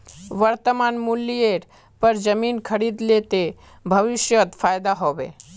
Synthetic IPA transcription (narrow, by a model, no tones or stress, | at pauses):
ʋəɾt̪əmaːnmʊlːieʈ | pɐɾd͡ʒəmiːnkʰəɾiːd̪let̪e | bʱəʋɪʃjət̪fʰaːjd̪aɦoʋḛː